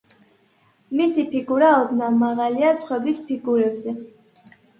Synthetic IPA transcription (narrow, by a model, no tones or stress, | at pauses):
misipʰiɡuɾaɔd̪namaʁaliasχwɛbispʰiɡuɾɛbzɛ